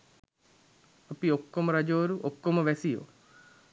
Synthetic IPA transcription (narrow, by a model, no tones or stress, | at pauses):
ɐpiokːoməɾɐd͡ʒoːɾuʔokːoməʋɛsijo̰